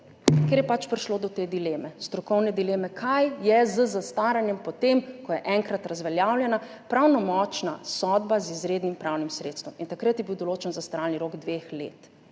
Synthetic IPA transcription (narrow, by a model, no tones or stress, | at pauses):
keɾjɛpat͡ʃpɾiʃlod̪ɔt̪eːd̪ileːmɛst̪ɾɔkɔwnɛd̪ileːmɛkʰajjɛzəzast̪aːɾanjɛmpɔt̪emkɔjɛʔɛŋkɾat̪ɾazʋɛljaːwljɛna | pɾawnɔmɔt͡ʃnasɔd̪bazizɾeːd̪nimpɾawnimsɾet̪st̪ʋɔmint̪akɾət̪jɛbiwd̪ɔloːt͡ʃɛnzast̪ɾaːlniɾoɡd̪ʋexlḛːt̪